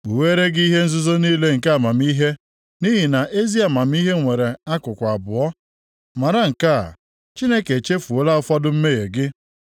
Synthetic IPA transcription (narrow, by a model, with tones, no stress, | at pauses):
k͡pu˨weː˦ɾe˦ɡɦe˦n̩˦zʊ˦zo˦niː˦le˦ŋ̩˨ka˦a˦˨ma˨m˦i˦ɦe˦ | ni˦ɦi˨na˨ʔe˦zi˦a˨ma˨m̩˦i˦ɦe˦ŋʷe˨ɾe˨a˦kʊ˨kʷa˨a˨bʊ̰˨ɔ˦ | ma˨ɾa˦ŋ̩˨ka˦a̰˨ | t͡ʃi˦ne˦ke˨t͡ʃe˦fu˨o˦la˦ʊ˦fɔ˦dʊ˦m̩˦me˦ɣe˨ɡɪ˦